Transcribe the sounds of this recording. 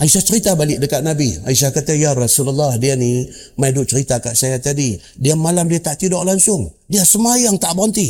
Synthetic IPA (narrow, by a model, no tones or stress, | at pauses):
aisat͡ʃəɾit̪abalɪʔ̚dəkaʔ̪nabiaisakat̪ajaɾasulalːahdiani | maidʊʔt͡ʃəɾit̪akaʔsajat̪adi | diamalamdiat̪aʔt̪idɔʔlaŋsʊŋdiasəmajaŋt̪aʔbɔnt̪i